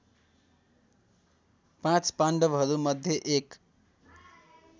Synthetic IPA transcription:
pãt͡spaɳɖʌbɦʌɾumʌd̪ʱjʌʔek

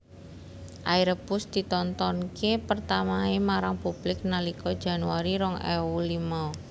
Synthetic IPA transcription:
ʔaiɾəbʊsd̪̥it̪ɔnt̪ɔnkepərt̪amaemaɾaŋpub̥lɪk̚nalikɔd̥d͡ʒʒ̥a̤nuaɾiɾɔŋɛ̰ulimaɔ

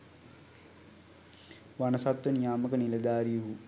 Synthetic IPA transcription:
ʋanəsat̪ʋənijaːməkənilɐd̪aːɾijuɦu

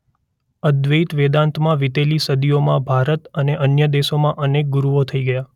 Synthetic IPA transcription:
əd̪ʋəit̪ʋed̪ãnt̪ʰmãʋit̪elisəd̪ijomãbʱaɾət̪əneʔənjəd̪eʃomãʔənek̚ɡuɾuʋot̪ʰəiɡəja

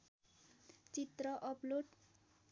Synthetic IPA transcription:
t͡sit̪rʌʔʌploʈ

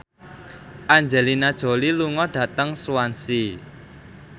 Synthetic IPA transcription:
ʔaɲd͡ʒɛlinad̥ʒ̥o̤liluŋɔɖ̥ä̤t̪əŋsuansi

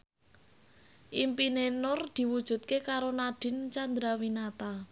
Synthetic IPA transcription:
ʔimpinenʊrd̪̥i̤wud̥ʒ̥ṳt̪̚kekaɾonaɖ̥ɪ̤nt͡ʃand̪ɾawinat̪a

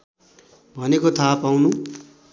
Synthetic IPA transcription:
bʱʌnekot̪ʰapawnũ

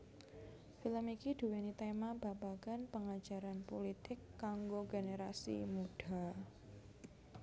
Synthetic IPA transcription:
filəmikid̥uwenit̪emab̥abaɡ̥anpəŋḁd͡ʒ̥a̤ɾanpolit̪ɪkːaŋɡoɡeneɾasḭmuɖ̥a

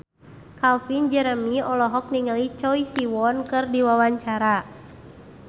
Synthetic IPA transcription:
kalfind͡ʒɛɾəmiɔlɔɦɔk̚niŋəlit͡ʃɔisiwɔnkɨrdiwawaɲt͡ʃaɾa

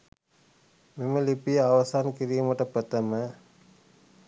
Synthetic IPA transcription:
meməlipijəaʋasankiɾijuməʈəpət̪əmə

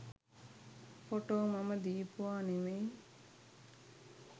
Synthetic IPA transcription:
foʈoːmaməd̪iːpuʋaːneʋe

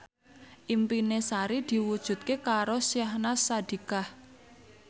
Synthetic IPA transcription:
ʔimpinesaɾid̪̥i̤wud̥ʒ̥ṳt̪̚kekaɾosjahnasad̪̥i̤kah

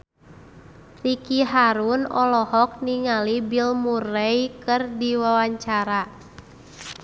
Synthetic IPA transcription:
rikiɦaɾunɔlɔhɔk̚niŋalibilmurɛjkɨrdiwawaɲt͡ʃaɾa

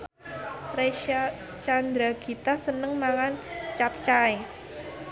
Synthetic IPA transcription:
reʃa | t͡ʃand̪ɾaɡ̥i̤t̪asənəŋmaŋant͡ʃap̚t͡ʃae

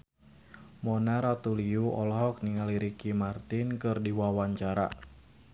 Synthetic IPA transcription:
mɔnaɾat̪uliuʔɔlɔɦɔk̚niŋaliɾikimart̪ɪnkɨrdiwawaɲt͡ʃaɾa̰

